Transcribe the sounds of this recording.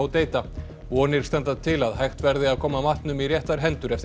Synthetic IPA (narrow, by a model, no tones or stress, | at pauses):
wt̪eːjt̪a | vɔːnɪɾ̥st̪ɛnt̪at̪ʰɪlaðɦajxt̪vɛɾðɪaðkʰɔːmamaht̪nʏmirjɛht̪aɾ̥ɦɛnt̪ʏɾɛft̪